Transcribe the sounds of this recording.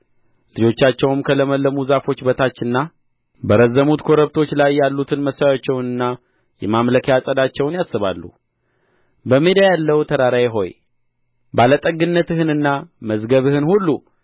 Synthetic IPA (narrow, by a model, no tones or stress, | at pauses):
lɨd͡ʒo̞t͡ʃːat͡ʃːɛwmkʰələməlːəmuzafo̞t͡ʃːbət̪ʰat͡ʃːɨnːa | bəɾəzːəmut̪kʰo̞ɾəβt̪ʰo̞t͡ʃːlajːalːut̪ʰɨnməsajat͡ʃːɛwnɨnːa | jɛ̰mamləkʰjasʼəd̪at͡ʃːɛwnjasɨβa̰lːṵ | bəmed̪ajalːəwt̪ʰəɾaɾajeɦo̞j | balət̪ʼəɡɨnːət̪ɨhɨnɨnːaməzɡəβɨhɨnhulːu